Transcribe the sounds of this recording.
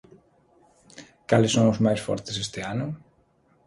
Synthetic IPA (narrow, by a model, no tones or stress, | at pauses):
kalesomozmajsfo̰ɾt̪esest̪eano